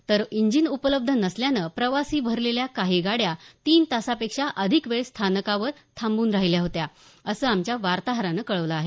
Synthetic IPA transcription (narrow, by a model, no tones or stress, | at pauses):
t̪əɾiɲd͡ʑinupələb̚d̪ʱənəsljanəpɾəʋasiːbʱəɾleljakaɦiːɡaɽjat̪iːnt̪asapekʂaʔəd̪ʱikʋeɭst̪ʰanəkaʋəɾt̪ʰambuːnɾaɦiljaɦot̪jaəsəːamt͡ɕjaʋaɾt̪aɦəɾanəkəɭəʋləːɦe